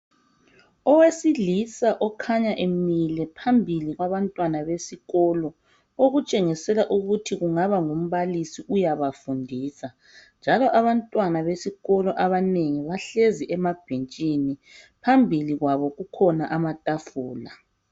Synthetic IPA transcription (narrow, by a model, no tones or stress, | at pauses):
ɔwesilisaʔɔkʰaɲaʔemilɛpʰambʱiliɣwaβantʼwanaβesiɣɔlɔ | oɣut͡ʃʼeŋisɛlaʔuɣutʰiɣuŋaβaŋom̩βalisiʔujaβafundʱiːsa | nd͡ʒʱalɔʔaβantʼwanaβesiɣɔlɔʔaβaneŋiβaɬeziʔɛmab̥ʱent͡ʃʼini | pʰambʱiliɣwaβɔɣukʰɔnaʔamatʼafuːla